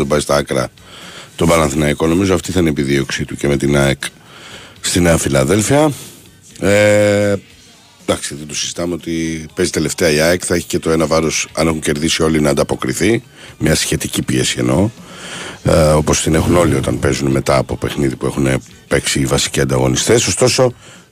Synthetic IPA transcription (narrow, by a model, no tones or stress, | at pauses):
ðobɐzit̪ɐɐkɾɐ̰ | t̪o̞bɐlɐnθinɐiko̞no̞mizoɐft̪iθɐineepiðio̞ksit̪uce̞me̞t̪inɐek | st̪ineɐfilɐðe̞lfiɐ | e | d̪ɐksiðet̪osizit̪ɐmeo̞t̪ipezit̪e̞le̞ft̪e̞ɐiɐekθɐe̞çi̥ce̞t̪o̞e̞nɐvɐɾo̞sɐ̰ne̞xuɲce̞ɾðisio̞linɐːnd̪ɐpo̞kɾiθi | mɲɐsçe̞t̪icipie̞sie̞̰no̞ | o̞po̞st̪ine̞xuno̞lio̞t̪ɐnpe̞zunme̞t̪ɐːpo̞pe̞xniðipue̞xune | pe̞ksivɐsi̥ciɐnd̪ɐɣo̞̰nist̪e̞so̞st̪o̞so̞